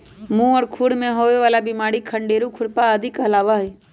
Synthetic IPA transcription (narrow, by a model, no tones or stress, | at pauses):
mũɔːɾkʰuɽmẽɦoːʋeʋaːlabimaːɽikʰəɳɖeːɾukʰʊɽpaəd̪ʱɪkɦəlaːʋaɦɛ